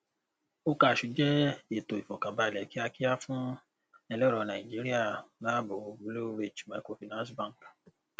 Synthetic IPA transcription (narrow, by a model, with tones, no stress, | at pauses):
o˦ka˧˨ʃu˧d͡ʒɛ˦e˦˨to˨i˨fɔ̃˨kã˨ba˧˨lɛ˨˦ki˦a˧ki˦a˦fũ˦ | ɛ˧lɔ˦ɾɔ˧nã˨ĩ˨d͡ʒi˦ɾi˦a˦˨la˦bo˨˦blo˦ɾe˦˨d͡ʒmã˨˦ko˧˦fi˨˧nã˦sbã˦˨ŋ˨k